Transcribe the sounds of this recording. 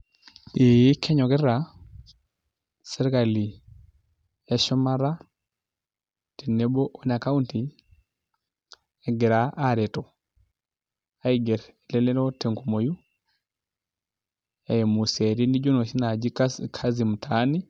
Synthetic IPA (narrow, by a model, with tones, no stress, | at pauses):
i˦kʰɛ˦ɲɔ˨ɡɛ˦ɾa | sɛ˦ɾɛka˨li˨ | ɛʃɔma˦ɾa˦ | tɛnɛbɔ˦ʔɔ˦na˨ka˦unti˨ | ɛɡɛ˨ɾaʔaɾɛ˨tɔ | a˦iɡɛ˨ɾɛlɛlɛ˦ɾɔtɛ˨ŋkumo˨ju˦ | ɛmu˨sɛ˨ɾi˦ni˦d͡ʒɔ˦no˨ʃi˦na˨d͡ʒi˦kʰazimu˨tʰa˦ni˦